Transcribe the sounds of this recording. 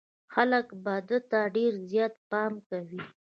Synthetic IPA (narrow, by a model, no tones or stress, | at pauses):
xaləkbɑd̪ət̪aɖeɾzjɑt̪̚pɑmkawi